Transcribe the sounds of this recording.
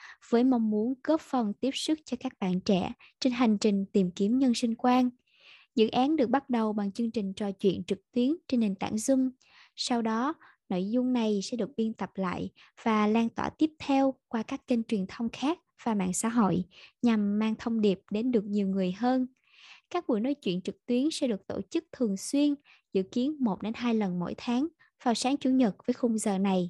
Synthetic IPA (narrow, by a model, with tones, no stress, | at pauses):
v̥əː˨˦jmə˧˩wŋ͡mmu˨˦ənkə˦˥p̚fə˨˩nt̪i˦˥əp̚sɨ˦˥k̚t͡ɕɔ˧kaː˦˥k̚ɓa̰ː˧˨nt͡ɕɛ̰˧˩˨ | t͡ɕe˧nɦa˨˩jŋ̟t͡ɕï˨˩ŋ̟t̪i˨˩mki˨˦əmɲə˧nsi˧ŋ̟kwaː˧n | zɨ̰˧˥ʔaː˨˦nɗɨ˨˩ək̚ɓa˦˥t̚ɗə˨˩wɓa˨˩ŋt͡ɕɨ˧əŋt͡ɕï˨˩ŋ̟t͡ɕɔ˨˩t͡ɕwḭ˧˨ənt͡ɕɨ˨˩k̚t̪wi˨˦ənt͡ɕe˧nːe˨˩nt̪a̰ː˧˥˨nzʊ˧ŋ͡m | sa˧wɗɔ˨˦ | no̰˧˨jzʊ˧ŋ͡mna˨˩jsɛ̰˧˥ɗɨ˨˩k̚ɓi˧ənt̪ə˨˩p̚la̰ː˧˨j | v̥aː˨˩laː˧ŋt̪wa̰ː˧˩t̪i˦˥əp̚t̪ʰɛ˧wkwaː˧kaː˦˥kːï˧ŋ̟t͡ɕwi˨˩ənt̪ʰə˧wŋ͡mxaː˦˥k̚v̥aː˨˩ma̰ː˧˨nsa̰ː˧˥ɦo̰˧˨jɲa˨˩mːaː˧ŋt̪ʰə˧wŋ͡mɗi˨˩əp̚ɗe˨˦nɗɨ˨˩ək̚ɲi˨˩əwŋɨ˨˩əjɦəː˧n | kaː˦˥k̚ɓu˧˩jno˨˦jt͡ɕwḭ˧˨nt͡ɕɨ˨˩k̚t̪wi˨˦ənsɛ̰˧˥ɗɨ˨˩ək̚t̪o̰˧˩t͡ɕɨ˦˥k̚t̪ʰɨ˨˩əŋswi˧ən | zɨ̰˧˨ki˨˦ənmo˨˩t̚ɗe˨˦nɦaː˧jlə˨˩nmo̰˧˥˨jt̪ʰaː˨˦ŋ | v̥aː˨˩wsaː˨˦ŋt͡ɕu˧˩˦ɲə˨˩t̚vəː˨˦jxʊ˧ŋ͡mzəː˨˩na˨˩j